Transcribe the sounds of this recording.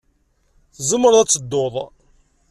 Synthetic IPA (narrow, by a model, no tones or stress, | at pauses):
θzəmːəɾðæt͡sːəd̪ːoðˤ